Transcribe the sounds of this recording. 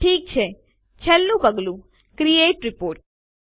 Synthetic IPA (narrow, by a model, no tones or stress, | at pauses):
ʈʰiːk̚t͡ʃʰe | t͡ʃʰəlːũbəɡlũ | kɾieːʈɾipoːɾʈ̚